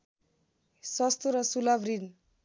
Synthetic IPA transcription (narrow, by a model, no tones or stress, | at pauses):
sɔst̪uɾʌsulabɾin